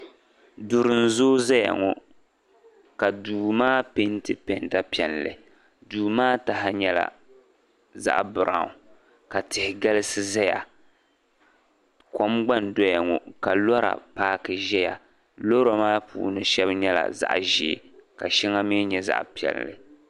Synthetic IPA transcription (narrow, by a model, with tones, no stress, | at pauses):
dʊ˨ɾɨ˨n˦˨zoː˦za˦ja̰˨ŋɔ˨ | ka˨duː˨maː˦pe˦n˦tɨ˦pe˨nda˦pi˦ɛ˨llɨ̰˨ | duː˨maː˦ta˨ɦa˦ɲɛ˦la̰˨ | za̰˦ʔbɨ˨ɾa˨ʊ˨ | ka˨tɪ˨hɪ˨ɡa˦lɨ˦sɨ˦za˦ja̰˨ | ko˦mɡ͡ba˦ndɔ˦ja˨ŋɔ˨ka˨lɔ˦ɾa̰˨paː˦kɨ˨ʒɛ˦ja̰˨ | lo˦ɾa˨maː˦pʰṵː˨nɨ˦ʃɛ˦bɲɛ˦la̰˨za̰˨ʔʒḭ˨ka˨ʃi˦ŋa˦mi˦ɲɛ˨za̰˨ʔpi˨˦ɛ̰˨llɨ̰˨